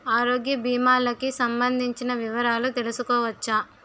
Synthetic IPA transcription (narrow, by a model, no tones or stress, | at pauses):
aːɾoːɡjɐbiːmaːlɐkisɐmbɐnd̪ʱiɲt͡ʃinɐʋiʋɐɾaːlut̪e̞lusukɔːʋɐt͡ʃːa